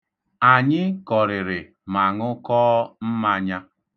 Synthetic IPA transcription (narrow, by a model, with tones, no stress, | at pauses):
a˨ɲɪ˦kɔ˨ɾɪ˨ɾɪ˨ | ma˨ŋʊ˦kɔː˦m̩˦ma˨ɲa˦